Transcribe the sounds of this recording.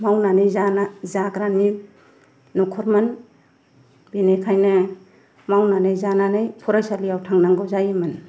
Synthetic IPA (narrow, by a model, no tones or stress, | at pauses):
mawnanɯjzanazakɾani | nukʰɔɾman | binekʰajne | mawnanɯjzananɯjpʰuɾajsalijawtʰaŋnaŋɡɯwzajiman